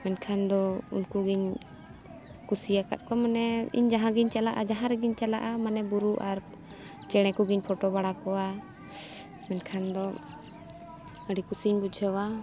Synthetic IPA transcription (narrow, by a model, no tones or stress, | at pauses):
mɛnkʰand̪ɔṵnkuɡiɲ | kusijaka̰t̪̚ˀkɔmanɛḭɲd͡ʒaɦãɡiɲt͡ʃalaʔad͡ʒaɦãɾɛɡiɲt͡ʃalaʔamanɛbuɾuʔaɾ | t͡ʃɛɽ̃ɛkuɡiɲpʰɔʈɔbaɽakɔwa | mɛnkʰand̪ɔ | əɽikusiɲbudd͡ʒəwa